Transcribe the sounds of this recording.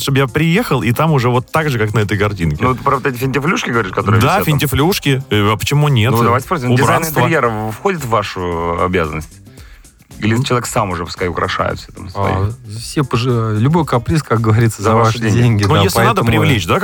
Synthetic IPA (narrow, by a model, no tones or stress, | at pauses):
ʂt̪obəjapɾʲɪjexəlˠit̪amʊʐɛvo̞t̪ːaɡʐɨkaknɐɛt̪əjkɐrtʲinkʲnɪt̪ɨpɾɐvot̪ɛt̬ʲɪfʲɪnʲtʲɪflʲuʂkʲɪɡəvɐɾʲiʂkɐt̪oɾɨjd̪afʲɪnʲtʲɪflʲuʂkʲɪɐpə̥t͡ɕɪmunʲe̞t̪d̪ɐajʲtʲspɾos̬ʲɪmʊdɪbajnsɪnt̪ɨəɾjeɾəfxodʲɪt̪vːaʂʊɐ̰bʲazənːəsʲtʲ | ilʲɪt͡ɕɪlˠɐvʲeksamʊʐɛpʊ̥skaʊkɾɐ̰ʂa̰jɪ̰t̪fsʲɛt̪amsaɐ̰ḭfsʲepəʐɨlʲʊbo̞jkɐpɾʲiskak̚ɡəvɐɾʲit̪səzɐvaʂʂdʲedʲenʲɡʲɪndnujesʲlnad̪əpɾʲɪvlʲet͡ɕd̪a